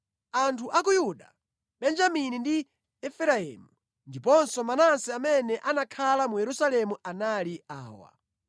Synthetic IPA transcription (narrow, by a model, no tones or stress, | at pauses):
antʰuʔakujuɗa̰ | ɓɛnd͡ʒaminindi | ɛfɛɾaɛ̰ːmu | ndipɔnsɔmanansɛamɛnɛʔanakʰalamujɛɾusalɛmuanalia̰ːwa̰